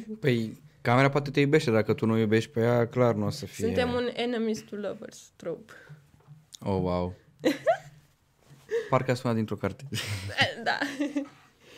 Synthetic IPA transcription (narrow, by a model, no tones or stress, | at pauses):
pəjkame̞ɾapoat̪e̞t̪ejube̞ʃt̪ed̪akət̪unujube̞ʃt̪̚ʲpejaklarnuosəfiunet̪emunenəmist̪uləvə̰rst̪ɾop | owaw | parkəast̪unad̪int̪ɾo̞kart̪ed̪a̰